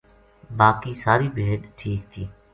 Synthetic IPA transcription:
baːkiːsaːɾiːbʱeːɗʈʰiːk̚t̪ʰiː

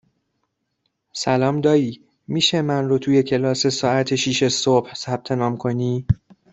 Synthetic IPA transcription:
sælɒːmd̪ɒːjiː | miːʃemænrot̪ʰuːje̞cʰe̞lɒːse̞sɒːæt̪ʰeʃiːʃesob̥hsæb̥̚t̪ʰe̞nɒːmkʰo̞niː

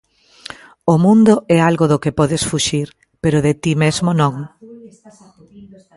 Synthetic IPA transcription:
omũnd̪ʊʔɛalɣoðʊkepɔðɪsfuʃiɾ | peɾʊðet̪imezmonõŋ

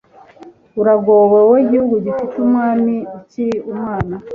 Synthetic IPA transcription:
uɾaɡoweweiɟihuɡuɟifitumwaːniːciɾiumŋaːna

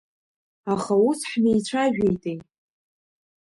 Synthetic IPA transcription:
aχausħnejt͡ɕʷʰaʒᶣejtʼej

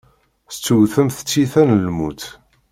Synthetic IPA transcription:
θt͡sːuwθəmθə̥t͡sːiθænəlmut̪

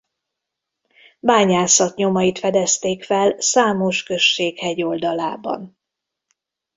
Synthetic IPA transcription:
baːɲaːsɒt̪ɲo̞mɒjit̪fɛd̪ɛst̪eːkfɛlsaːmo̞ʃkø̞ʃːeːkhɛɟo̞ld̪ɒlaːbɒ̰n

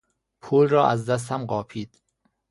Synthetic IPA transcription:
pʰuːlrɒːʔæzd̪æs̬t̪ʰæmɢɒːpʰiːd̪̥

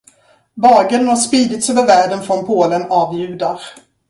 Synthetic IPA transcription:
bɑːɡənnhaʂpiːd̪ɪt̪søːvəɾvæːɖənfɾɔnpʰoːlənɑːvjʉ̟ːd̪aɾ

